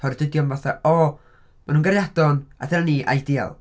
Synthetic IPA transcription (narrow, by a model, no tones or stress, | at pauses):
ɔɾdʰədjɔmvaθaɔ | manuːnɡarjadɔna̰dɛlniʔa̰jdia̰lˠ